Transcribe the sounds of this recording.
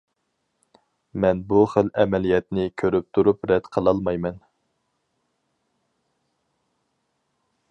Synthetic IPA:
mɛnbuχəlɛmɛlijɛt̪nɪkʲʰøɾyp̚t̪ʰuɾupɾɛd̪qʰəlˠɑlˠmɑjmɛn

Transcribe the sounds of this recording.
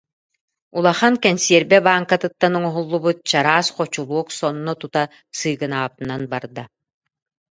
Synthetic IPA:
ulˠaχankɛnsiɛɾbɛbaːŋkat̪ɯt̪ːanuŋɔɦulˠːubut̪̚t͡ɕaɾaːsqɔt͡ɕulˠuɔksɔnːɔt̪ut̪a | sɯːɡɯnaːp̚t̪nanbaɾd̪a

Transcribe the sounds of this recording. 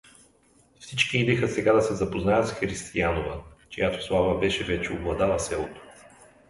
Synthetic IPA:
fsit͡ʃkiid̪ɛxəsɛɡad̪ɐsɛzɐpoznajət̪sxɾist̪ianovət͡ʃijat̪o̥slˠavəbɛʃɛvɛt͡ʃɛoblˠɐd̪alɐsɛlˠot̪o̥

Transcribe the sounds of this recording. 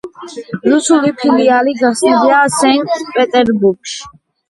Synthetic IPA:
ɾusulipʰilialiɡasidasɛŋkt̪ʰʼpʼɛt̪ʼɛɾbuɾɡʃ

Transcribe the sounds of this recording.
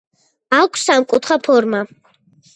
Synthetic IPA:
akʷʰsamkʼut̪ʰχapʰɔɾma

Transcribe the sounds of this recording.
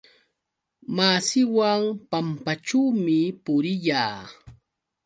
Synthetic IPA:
maːsɪwaŋpampaʈ͡ʂuwmɪpʊɾɪʎaː

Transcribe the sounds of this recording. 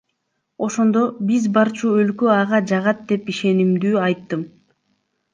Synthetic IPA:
o̞ʃo̞nd̪o̞bizbɑɾt͡ʃuølkøɑʁɑd͡ʒɑʁɑt̪̚d̪e̞piʃe̞nimd̪yːɑjt̪ːɯm

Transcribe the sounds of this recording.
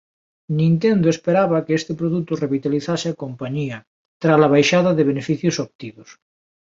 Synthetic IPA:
nĩnt̪̬end̪oespeɾaβakeest̪epɾoðut̪oreβit̪aliθaseakompaɲia | t̪ɾalaβ̞ajʃaðaðeβ̞enefiθjosop̚t̪iðos

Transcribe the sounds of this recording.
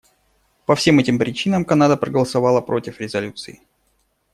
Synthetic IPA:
pɐfsʲe̞mɛtʲɪmpɾʲɪt͡ɕinəmkɐnad̪əpɾəɡəlˠəsɐvɑlˠəpɾo̞tʲɪfɾʲɪzɐlʲut̪sɨɪ

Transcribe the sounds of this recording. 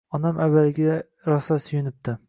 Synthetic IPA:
ɒnamʔavːalɡʲɪd̪ | ɾɒsasʊjʊnɪp̚t̪ɪ

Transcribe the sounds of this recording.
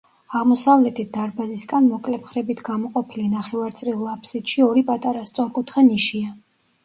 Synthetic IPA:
aʁmɔsavlɛt̪ʰit̪̚d̪̥aɾbazisɡʼanmɔkʼlɛpχɾɛbit̪ʰɡamɔqʼɔpʰilinaχɛvaɾt̪sʼɾilˠːapʰsit̪ʃiɔɾipʼat̪ʼaɾast̪sʼɔɾkʼut̪ʰχɛniʃia

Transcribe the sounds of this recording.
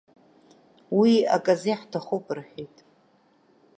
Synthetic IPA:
wia̰kʼaziħtʰaχopʼrħᶣejtʼ

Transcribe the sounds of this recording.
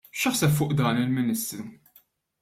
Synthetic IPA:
ʃɐħsɛpfʊːʔd̪ɐːnɪlmɪnɪst̪ɾu

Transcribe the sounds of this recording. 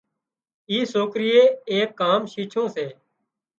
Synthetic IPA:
iːsoːkɾɪjeːeːkːaːmʃiːt͡ʃʰõːseː

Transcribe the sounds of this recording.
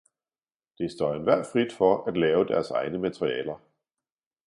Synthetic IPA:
d̥e̝sd̥ɒːenʋæɐ̰d̥fʁid̥fɒæd̥lɛːʊd̥æɐsɑ̈ɪnəmæt͡sʰʁiɛ̰ːlɐ

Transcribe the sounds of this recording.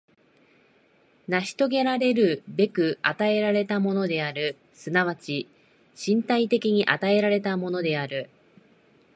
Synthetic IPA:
naɕi̥t̪o̞ɡe̞ɾaɾe̞ɾɯ̟be̞kɯ̟at̪ae̞ɾaɾe̞t̪amo̞no̞d̪e̞aɾɯ̟ | sɨnaβ̞at͡ɕi | ɕĩnt̪ait̪e̞kʲiɲ̟iʔat̪ae̞ɾaɾe̞t̪amo̞no̞d̪e̞aɾɯ̟

